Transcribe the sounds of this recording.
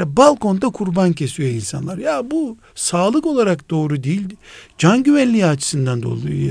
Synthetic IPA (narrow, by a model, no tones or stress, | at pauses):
balˠko̞nd̪akʰuɾbancʰe̞sijo̞insa̰nlˠaɾjabu | saːlˠɯko̞lˠaɾakd̪o̞ːɾud̪ijilʲd͡ʒanɟyvænlʲiːat͡ʃʰɯ̥sɯnd̪and̪o̞̰lˠuju